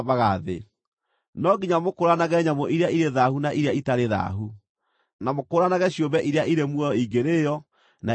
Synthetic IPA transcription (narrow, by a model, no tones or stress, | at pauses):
βaɣaðḛ | nɔɡiɲamokoɾanaɣɛɲamɔʔiɾeaiɾeðahunaʔiɾeaitaɾeða̰ɦu | namokoɾanaɣɛɕjombɛʔiɾeaʔiɾemwɔɔiɡeɾejɔ | na